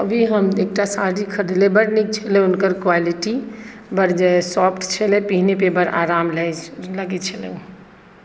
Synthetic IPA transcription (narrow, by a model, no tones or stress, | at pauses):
əbʱiɦəmek̚ʈasaɾikʰːəɾd̪ilebəɾnik̚t͡ʃʰɛleʊnkəɾkwaliʈibəɾd͡ʒesɔpʈt͡ʃʰɛlepiɦnepebəɾa̰ɾaːmlɛləɡet͡ʃʰɛlḛũ